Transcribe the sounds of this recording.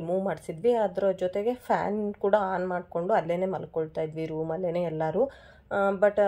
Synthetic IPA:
muːʋmaːɖsid̪ʋiaːd̪ɾod͡ʒɔt̪eɡe̞pʰa̰ːnkuːɽɐaːnmaːɖko̞ɳɖuɐlːeːne̞ːmɐlkoɭt̪aːjid̪ʋiːɾuːmɐlːeːneːɛlːaːɾu | bɐʈː

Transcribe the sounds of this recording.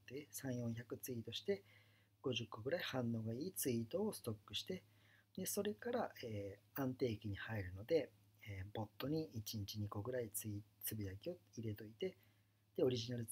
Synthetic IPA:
t̪ːesãɰ̃jõ̞ɰ̃çakɯ̟t͡sɨiːt̪o̞ɕi̥t̪e̞ | ɡ̥o̞ʑɨkːo̞ɡɯ̟ɾaihãnːo̞ːɡaiːt͡sɨit̪o̞ːsɨ̥t̪o̞kːɯ̟ɕi̥t̪e̞ | d̪e̞so̞ɾe̞kaɾaeː | ãnt̪e̞ːkʲiɲ̟ihaiɾɯ̟no̞d̪e̞ | ebo̞t̪ːo̞ɲ̟iʔit͡ɕiɲit͡ɕiɲ̟iko̞ɡɯ̟ɾait͡sɨit͡sɨbʲijakʲio̞iɾe̞t̪o̞it̪e̞ | d̪̥e̞o̞ɾʲiʑinaɾɯ

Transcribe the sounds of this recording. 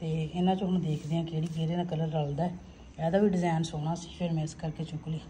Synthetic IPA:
t̪eːɪnãːt͡ʃõɦʊñd̪eːkʰd̪ɪjãːkɪd͡ʒeːɽiːd͡ʒeːɾeːnaːkələɾːəld̪aɛː | ɛːd̪aːʋiːɖɪzɛːnsoːɽ̃aːsi̥ːpʰɪɾmɛ̃ːɪskəɾkeːt͡ʃʊ̃kliː

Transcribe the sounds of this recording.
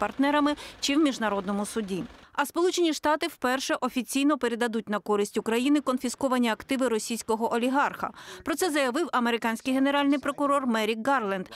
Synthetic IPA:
pɐrt̪nɛɾɐmɪt͡ʃɪwmʲiʒnɐɾɔd̪nɔmʊsʊdʲiɐspɔlˠut͡ʃenʲiʃt̪ɑt̪ɪwpɛrʃɛʔɔfʲit͡sʲijnɔpe̞ɾe̞d̪ɐd̪ut̚ʲn̪ɐkɔɾɪsʲtʲʊkɾɐjinɪkɔnfʲiskɔʋɐnʲiɐkt̪ɪʋɪɾɔsʲijsʲkɔɦɔʔɔlʲiɦɑrxɐ̰pɾɔt̪sɛzɐjɐʋɪwʔɐmeɾɪkɑnʲsʲkɪjɦene̞ɾɑlʲnɪjpɾɔkʊɾɔrmɛɾʲikɡɑrlˠɛnd̪

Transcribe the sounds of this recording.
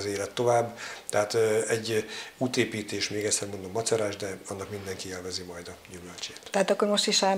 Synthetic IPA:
zeːlɛt̪ːo̞vaːbːt̪ɛɦaːt̪ɛɟːuːt̪eːpiːt̪eːʃmeːɡɛct̪sɛrmond̪o̞mːɒt̪sɒɾaːʒd̪ɛɒnːɒkmind̪ɛŋkieːlvɛzimɒjd̪ɒjumølt͡ʃeːt̪tɛɦaːt̪ɒkːormo̞ʃt̪iʃa

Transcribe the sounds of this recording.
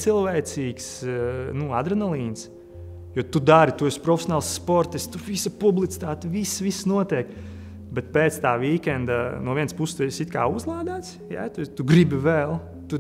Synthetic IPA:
silˠʋɛːt̪siːksnua̰d̪ɾɛnalˠiːns | jɔt̪ud̪aɾit̪uɛsʲpɾɔfʲe̥sʲɔnaːlˠsːpɔɾt̪ist̪uvisɐpublˠit̪i̥t̪aːt̪visʋisnuɔt̪iɛk | bɛt̪̚peːt̪st̪aːʋiːkʲɛnd̪anuɔvʲiɛnspusst̪uesit̪ka̰ːuzlˠɑːd̪aːt̪sja̰t̪ut̪uɡɾibivɛlˠ | t̪u

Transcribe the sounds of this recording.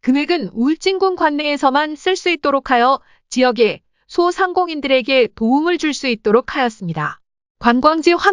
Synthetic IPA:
kɯme̞ɡɯnuɭt͡ɕ͈iŋɡunɡwanːeːsʰʌmans͈ɯɭs͈uit̚t͈oɾokʰajʌ | t͡ɕijʌɡe̞ | sʰosʰaŋɡoŋindɯɾe̞ɡe̞toumɯɭt͡ɕuɭs͈uit̚t͈oɾokʰajʌs͈ɯmɲida | kwanɡwaŋd͡ʑiɸwa

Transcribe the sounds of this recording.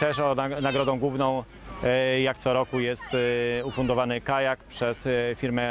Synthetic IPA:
t̪ɛʂɔanaɡɾɔd̪ɔ̃w̃ɡwuvnɔ̃w̃ | jakt̪sɔɾɔkujɛst̪ufund̪ɔvanɘkajakpʂɛsfʲiɾmɛ

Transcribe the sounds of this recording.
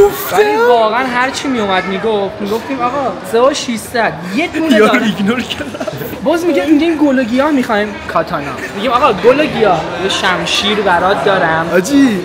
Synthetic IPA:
eivɒːɣeænɦæɾt͡ʃʰimijomæd̪miɡoft̪miɡo̞ft̪iːmɒɣɒseoʃisæd̪jet̪ʰuneiɡnoɾcʰenæ | bɒːzmiɡemiɡimɡoloɡijɒːmixɒːimkʰɒːt̪ʰɒnɒ̰ːmiɡʲiːmɒːɣɒːɡoloɟiɒːhjeʃæmʃiːɾbæɾɒːd̪̚ːɒːɾæmɒd͡ʒi

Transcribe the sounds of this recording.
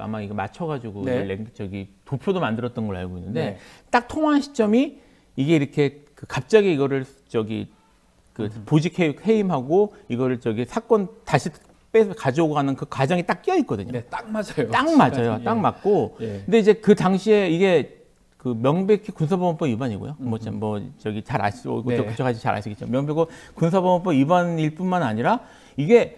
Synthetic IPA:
a̰maiɡema̰t͡ɕʰʌɡad͡ʑiɡoieleŋt͡ɕʌɡitopʰjodomandɯɾʌt̚t͈ʌnɡʌɭa̰ɭɡoinːɯnde̞t͈ak̚tʰoŋaɦnɕʰi̥t͡ɕ͈ʌmi | iɡe̞iɾʌkʰe̞kɯkap̚t͡ɕ͈aɡiiɡʌɾɯɭ | t͡ɕʌɡḭ | kɯpod͡ʑikʰekhe̞imɦaɡoiɡʌɾɯɭt͡ɕʌɡisʰak͈ʌntaɕʰi | p͈esʰkad͡ʑooɡɦanɯnkɯkwad͡ʑʌŋit͈ak͈̚iʌit̚k͈ʌdɯɲotaŋmad͡ʑt͈aŋmad͡ʑʌjot͈aŋmak̚k͈okɯnde̞id͡ʑe̞kɯtaŋɕʰie̞iɡe̞ | kɯmjʌŋbe̞kʰikunsʰabʌmʌnp͈ʰʌibaɲiɡo̰jomʌt͡ɕamːʌt͡ɕʌɡit͡ɕaɾa̰ɕio̰ɡot͡ɕokut͡ɕʰʌkʰad͡ʑit͡ɕa̰ɾa̰ɕʰiɡett͡ɕomjʌŋbekʰɯkuns̬ʰabʌmʌmp͈ʰʌibaniɭp͈unmanaɲiɾa | iɡe̞

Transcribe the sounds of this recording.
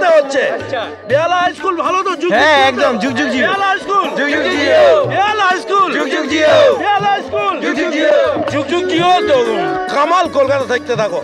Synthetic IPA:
eɦotːt͡ʃʰea | bealajskulbʱalot̪od͡ʒuɡɦɛ̃ɛk̚d̪ɔmd͡ʒuɡd͡ʒuɡ̚d͡ʒialajskuld͡ʒuɡd͡ʒuɡd͡ʒiobialajskuld͡ʒuɡd͡ʒuɡd͡ʒiobialajskuld͡ʒukd͡ʒud͡ʒid͡ʒuɡ̚d͡ʒuɡ̚d͡ʒiɦot̪okamalkolkat̪at̪ʰak̚t̪et̪ʰako

